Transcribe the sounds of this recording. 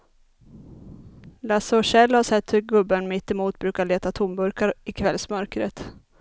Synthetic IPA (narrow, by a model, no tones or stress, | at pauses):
lasɔʂɛlːhaʂɛt̪ːhɵɾɡɵbːənmɪt̪ːɛmuːt̪̚bɾʉ̟ːkaɭeːt̪at̪ʰʊmbɵɾkaɾɪkʰvɛlsmœɾkɾət̪